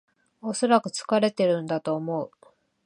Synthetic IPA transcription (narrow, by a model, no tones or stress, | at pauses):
o̞so̞ɾakɯ̟t͡sɨ̥kaɾe̞t̪e̞ɾɯ̟̃nd̪at̪o̞ːmo̞ɯ